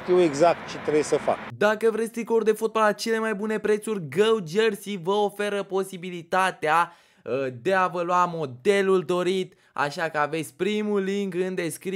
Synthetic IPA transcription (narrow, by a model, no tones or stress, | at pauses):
t̪iweɡzak̚t̪̚t͡ʃet̪ɾejsəfa̰kd̪akəvɾe̞sʲt̪ɾikourʲd̪e̞fot̪̚balat͡ʃe̞le̞majbune̞pɾe̞t̪surʲɡəwd͡ʒərsivəo̞fe̞ɾəpo̞sibilit̪at̪ea | d̪e̞avəluamo̞d̪e̞luld̪o̞ɾit̪ | a̰ʃakəave̞t̪sʲpɾimuliŋkɨnd̪e̞skɾi